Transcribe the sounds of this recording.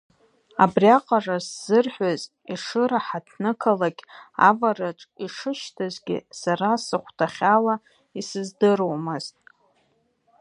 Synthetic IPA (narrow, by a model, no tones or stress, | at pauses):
a̰briaqʼarasz̥ɨrħʷaz | iʂɨɾaħatʰnɨkʰalaɡʲʼa̰varaʈ͡ʂʼiʂɨʃtʰazɡʲɪ̰saɾasɨχʷtʰaχʲala | isɨzdɨrowmɨztʼ